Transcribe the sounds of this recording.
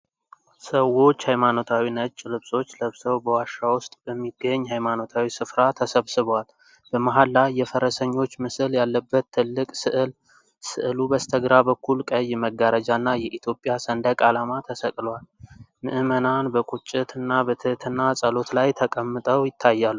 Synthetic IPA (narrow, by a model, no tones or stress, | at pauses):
səwo̞t͡ʃːhajmano̞t̪ʰawinət͡ʃʼːlɨβsʼo̞t͡ʃːləβsəwbəwaʃːawʊst̪ʼbəmːiɡːəɲːhajmano̞t̪ʰawisɨfɾat̪ʰəsəβsɨβwal | b̥əmaɦalːajːɛfəɾəsəɲːo̞t͡ʃːmɨsɨljalːəbːət̪ʰːɨlːɨkʼsɨʔɨl | sɨʔlubəst̪ʰəɡɾabəkʰːulkʼəjːɛməɡːaɾəd͡ʒanːajɛʔit̪ʰjo̞pʼjasənd̪əkʼalamat̪ʰəsəkʼlwalmɨʔɨmənanbəkʼut͡ʃʼɪt̪ʰɨnːabət̪ʰɨt̪ʰɨnːasʼəlo̞t̪lajt̪ʰəkʼəmːɨt̪ʼəwjɪt̪ʰːajːalːuu